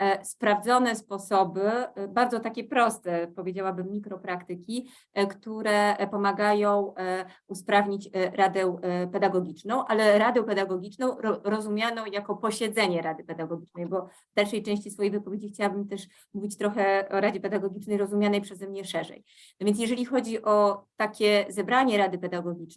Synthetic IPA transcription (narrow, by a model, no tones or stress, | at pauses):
spɾavd̪zɔnɛspɔsɔbɘbaɾdzɔt̪akʲɛpɾɔst̪ɛpɔvʲjed͡ʑawabɘmːʲikɾɔpɾakt̪ɘkʲi | kt̪uɾɛpɔmaɡajɔ̃w̃uspɾavɲit͡ɕɾad̪ɛpɛd̪aɡɔɡʲit͡ʂnɔ̃w̃ʔalɛɾad̪ɛpɛd̪aɡɔɡʲit͡ʂnɔ̃w̃ɔɾɔzumʲjanɔ̃w̃jakɔpɔɕɛd̪zɛɲɛɾad̪ɘpɛd̪aɡɔɡʲit͡ʂnɛjbɔvd̪alʂɛjt͡ʂɛ̃ɕt͡ɕisfɔjejvɘpɔvʲed͡ʑixt͡ɕawabɘmt̪ɛʂ | muvʲit͡ɕt̪ɾɔxɛɔɾad͡ʑɛpɛd̪aɡɔɡʲit͡ʂnɛjɾɔzumʲjanɛjpʂɛzɛmɲɛʂɛʐɛ̰j | navʲjɛntsjɛʐɛlʲixɔd͡ʑiʔɔt̪akʲɛzɛbɾaɲɛɾad̪ɘpɛd̪aɡɔɡʲit͡ʂnɛ